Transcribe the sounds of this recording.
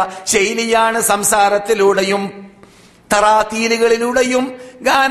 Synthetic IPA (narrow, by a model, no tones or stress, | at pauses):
ɕejlijaːɳɨsɐmsaːɾɐt̪ːiluɽejum | t̪ɐraːt̪iːluɣɐɭiluɽejumɡaːn